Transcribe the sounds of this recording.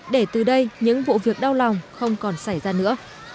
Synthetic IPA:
ɗe˧˩t̪ɨ˨˩ɗə˧jɲɨ̰˧˥ŋvo̰˧˨vi˨˩ək̚ɗa˧wla˨˩wŋ͡mxə˧wŋ͡mkɔ˨˩nsa˧˩jzaː˧nɨ̰˧˥ə

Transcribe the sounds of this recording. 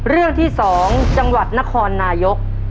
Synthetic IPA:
ɾɯ˥˩əŋt̪ʰiː˥˩sɔː˩˦ŋt͡ɕa˧ŋwa˨˩t̪̚na˦˥kʰɔː˧nːaː˧jo˦˥k̚

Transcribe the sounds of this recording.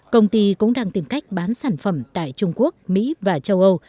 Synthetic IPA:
kə˧wŋ͡mt̪i˧kʊ̰˧˥ŋ͡mɗaː˧ŋt̪i˨˩mka˦˥jk̟̚ɓaː˨˦nsaː˧˩nfə˧˩mt̪a̰ː˧˨jt͡ɕʊ˧ŋ͡mku˦˥ək̚mḭ˧˥vaː˨˩t͡ɕə˧wʔə˧w

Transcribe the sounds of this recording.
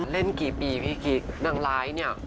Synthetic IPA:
le˥˩nkiː˨˩piː˨˩pʰiː˦˥˩kʰi˦˥k̚na˧˩ŋlaː˦˥jni˥˩ə

